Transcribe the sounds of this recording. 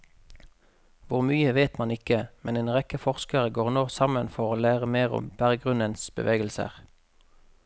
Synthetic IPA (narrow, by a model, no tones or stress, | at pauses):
ʋʊʁmyːəʋeːt̪mɑnɪkəmɛneːnʁɛkəfɔʁskəʁəɡoːʁnoːsɑmənfɔʁoːlæːʁəmeːʁʊ̰mb̥æʁəɡʁʉnənsbə̰ʋeːɡəlsə̰ʁ